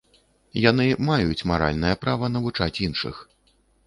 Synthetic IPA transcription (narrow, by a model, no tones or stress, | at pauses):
janɨmajut͡sʲmaɾa̰lʲnɐjɐpɾavɐn̪ɐvut͡ʂat͡sʲinʂɨ̰x